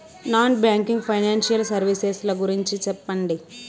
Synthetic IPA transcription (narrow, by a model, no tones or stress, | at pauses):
naːnbjaːŋkiŋɡpʰɐjnaːnʃijɐlsɐɾʋiseslɐɡuɾiɲt͡ʃit͡ʃɛpːɐɳɖi